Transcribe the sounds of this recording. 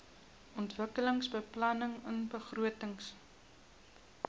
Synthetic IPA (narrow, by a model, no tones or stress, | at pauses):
ʔɔntvəkələŋsbəplɐnəŋənbəχruətəŋs